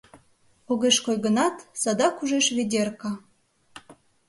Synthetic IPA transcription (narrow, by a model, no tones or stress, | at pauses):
oɣeʃkojɣə̆nɑt̪sɑd̪ɑkuʒeʃβedʲerkɑ